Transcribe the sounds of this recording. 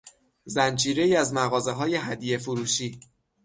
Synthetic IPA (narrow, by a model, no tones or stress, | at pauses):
zænd͡ʒiːɾe̞iːæzmæɣɒːze̞ɦɒːje̞ɦæd̪ije̞foɾuːʃiː